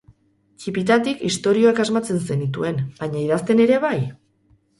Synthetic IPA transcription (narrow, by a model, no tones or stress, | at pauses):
t͡ʃipit̪at̪ikist̪o̞ɾio̞ekazmat͡se̞nse̞nit̪ue̞nbaɲaiðast̪e̞ne̞ɾe̞β̞aj